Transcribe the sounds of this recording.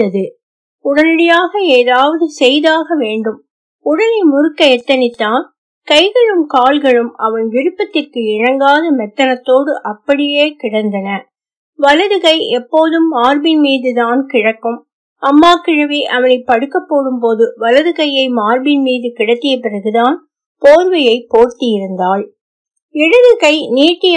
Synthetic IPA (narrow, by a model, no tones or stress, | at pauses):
ɐðɯ | ʊɽɐnɪɽɐjaːɣɐeːðaːʋɐðɯsɛjðaːɣɐʋeːɳɖɯm | ʊɽɐnɐɪmʊɾɯkːɐɛt̪ːɐnɪt̪ːaːn | kɐɪɣɐɭɯmkaːlɣɐɭɯmɐʋɐnʋɪɾɯpːɐt̪ːɪrkɯɪɳɐŋɡaːðɐmɛt̪ːɐnɐt̪ːoːɽɯʔɐpːɐɽɪjeːkɪɽɐnd̪ɐnɐ | ʋɐlɐðɯkɐɪɛpːoːðɯmːaːrbɪnmiːðɯðaːnkɪɻɐkːɯm | ʔɐmːaːkɪɻɐʋiʔɐʋɐnɐɪpːɐɽɯkːɐpːoːɽɯmpoːðɯʋɐlɐðɯkɐjɐɪmaːɾbɪnmiːðɯkɪɽɐt̪ːɪjɐpɪrɐɣɯðaːn | poːɾʋɐjɐɪpːoːrt̪ːɪjɪɾɯnd̪aːl | ɛɽɯðɯkɐɪniːʈːɪjɐ